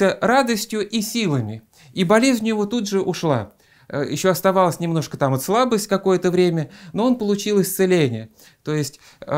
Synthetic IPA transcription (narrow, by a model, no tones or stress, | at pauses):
ərad̪əsʲtʲjʊʔisʲilˠəmʲɪ | ibɐlʲezʲnʲʊjɪvot̪ud̪ʐɨʔʊʂlˠa̰ | jɪ̰ɕːoɐst̪ɐvalˠəsʲnʲɪmno̞ʂkət̪amɐt̪slˠabəsʲtʲkɐko̞jət̪əvɾʲemʲəno̞onpəlˠʊt͡ɕilˠɪsʲt̪sɨlʲenʲɪjə | t̪o̞jɪsʲtʲ